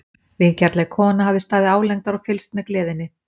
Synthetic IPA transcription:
vɪncɛɾt̪lɛɣkʰɔːnaɦavðɪst̪aːðɪaːwlɛŋkt̪aɾɔɣfɪlst̪mɛðklɛːðɪnːɪ

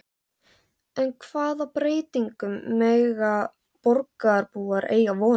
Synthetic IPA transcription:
ɛnkʰv̥aːðapɾeːjt̪iŋkʏmːɛːɣa | pɔɾkaɾpuːaɾʔḛːjavɔː

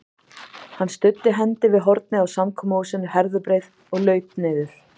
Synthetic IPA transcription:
hanːst̪ʏt̪ːɪɦɛnt̪ɪvɪðɦɔɾt̪̚nɪawsamkʰɔːmausɪnːʏhɛɾðʏpɾeːjð | ɔɣlœːɥt̪̚nɪðʏɾ̥

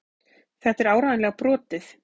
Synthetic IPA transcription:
θɛht̪ɛɾaːwɾaːðɪnlɛːɣapɾɔːt̪ɪθ

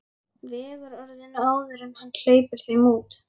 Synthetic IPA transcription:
vɛɣʏɾœɾðɪnaːwðʏɾɪmhanːl̥eːjpʏɾ̥θejmuːt̪

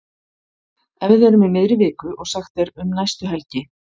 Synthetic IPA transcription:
ɛvɪðɛɾʏmɪmɪðɾɪvɪːkʏʔɔɣsaxt̪ɛɾʏmnajst̪ʏɦɛlcɪ

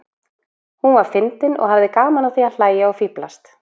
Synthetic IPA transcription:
hunvaɾ̥fɪnt̪ɪnɔ̰ɣhavðɪkaːmanawθial̥aːjaɔɣfiplast̪

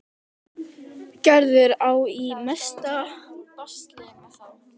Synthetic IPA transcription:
cɛɾðʏɾaːwimɛst̪apast̪lɛnaθaw

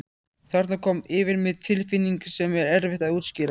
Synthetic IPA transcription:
θaɾ̥t̪nakʰɔmɪːvɪɾmɪðt̪ʰɪlfɪnːiŋksɛmɛɾɛɾvɪht̪aðuːt̪scɪːɾ

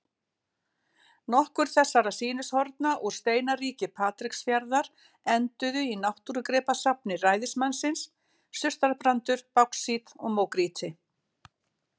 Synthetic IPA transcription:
nɔhkʏɾ̥θɛsːaɾasiːnɪshɔɾt̪naʔɔɣ̥st̪eːjnaɾiːcɪpʰaːt̪ɾɪksfjaɾðaɾ | ɛnt̪ʏðʏinawht̪uɾʏkɾɛːpasapnɪraːjðɪsmansɪnsː | ʏst̪aɾpɾant̪ʏɾ̥pawksiːt̪ɔɣmoːwkɾiːt̪ʰɪ

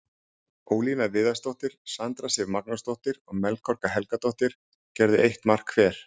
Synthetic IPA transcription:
oːwlinavɪːðast̪owht̪ɪɾ̥sant̪ɾasɛvmak̚nʊst̪owht̪ɪɾɔɣmɛlkʰɔr̥kaɦɛlkat̪owht̪ɪɾ̥ | cɛɾðɪ̰ʔejht̪mar̥kʰvɛːɾ̥

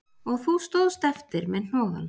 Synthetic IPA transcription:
ɔɣθust̪owðst̪ɛft̪ɪɾmɛðn̥ɔːɣa̰l

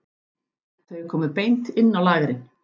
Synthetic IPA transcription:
θœɥkʰɔːmɪðpejnt̪ɪnːawlaːɣɾɪn

